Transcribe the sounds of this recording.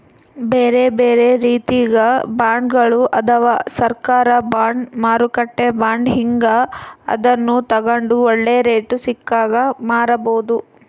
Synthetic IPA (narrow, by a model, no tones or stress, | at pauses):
beːɾe̞beːɾe̞ɾiːt̪iɡɐbaːɳɖɡɐɭuʔɐt̪ʰɐʋaːsɐɾkaːɾɐbaːɳɖmaːɾukɐʈːebaːɳɖɦiŋɡɐɐ̰d̪ɐnːut̪ɐɡɐɳɖuɔɭːeːɾeːʈusikːaːɡɐmaːɾɐboːd̪u